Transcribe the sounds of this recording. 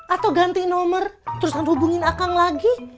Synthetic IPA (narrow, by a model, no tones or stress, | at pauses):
ʔat̪awɡant̪inɔmərt̪əɾusanhubuŋɪnakaŋlaɡi